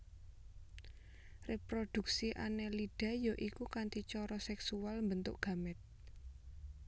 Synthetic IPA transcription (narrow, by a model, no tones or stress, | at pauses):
rʔepɾod̪̥ṳk̚siʔa̰nɛliɖ̥ä̤jɔʔikukant̪it͡ʃɔɾɔsɛksualmbənt̪ʊ̰ʔɡ̥a̤mɪt̪̚